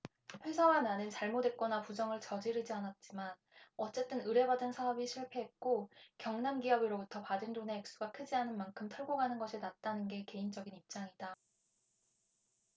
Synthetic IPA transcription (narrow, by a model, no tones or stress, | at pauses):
ɸwe̞sʰʌɡananɯnt͡ɕaɭmodwe̞t̚k͈ʌnapud͡ʑʌŋɯɭt͡ɕʌd͡ʑiɾid͡ʑianat̚t͡ɕ͈iman | ʌt͡ɕ͈e̞t͈ɯnɯɾe̞badɯnsʰaʌbiɕʰiɭpʰe̞ɦet̚k͈okjʌŋnamɡiʌbiɾobutʰʌpadɯndoneːk̚s͈uɡakʰɯd͡ʑianɯnmankʰɯmtʰʌɭɡoɡanɯnɡʌɕʰinat̚t͈anɯnɡe̞ke̞ind͡ʑʌɡinip̚t͡ɕ͈aŋida